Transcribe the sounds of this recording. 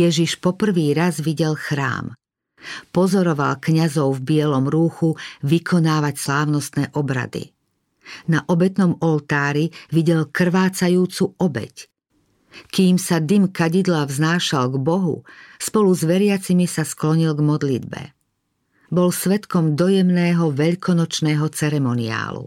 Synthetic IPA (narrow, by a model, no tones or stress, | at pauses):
jɛʒiʃpɔpr̩ʋiːɾazʋiɟɛlxɾa̰ːm | pɔzɔɾɔʋa̰lkɲazɔʊvbɪɛlɔmɾuːxuʋikʰɔnaːʋacslaːʊnɔst̪nɛːʔɔbɾa̰d̪ḭ | naʔɔbɛt̪nɔmɔlt̪aːɾiʋiɟɛlkr̩ʋaːt͡sajuːt͡suʔɔbɛ̰c | kiːmsad̪imkaɟid̪lavznaːʃalɡbɔɦṵspɔluzʋɛɾɪat͡simisasklɔɲilɡmɔd̪lḭd̪bɛ̰ | bɔlsʋɛt̪kɔmd̪ɔjɛmnɛːɦɔʋɛʎkʰɔnɔt͡ʃnɛːɦɔt͡sɛɾɛmɔnia̰ːlṵ